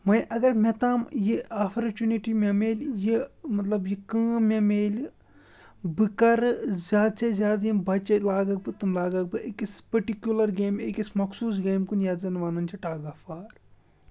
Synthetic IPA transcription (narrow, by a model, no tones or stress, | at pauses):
mɐjʔɐɡɐɾmʲet̪aːmjiapʰɐɾt͡ʃuniʈimʲɐmeːlʲjimɐt̪lɐbjikɨ̃ːmʲemeːlʲ | bɨkɐɾzʲaːd̪t͡ʃezʲjaːd̪jimbɐt͡ʃelaːɡɐk̚bɨt̪umlaːɡɐk̚bɨʔekispɐʈikjulɐɾɡeːmekʲismɐksuːs̬ɡeːmkunjaːd̪zɐnʋaːnɐnt͡ʃʰiʈaːɡɐfaːɾ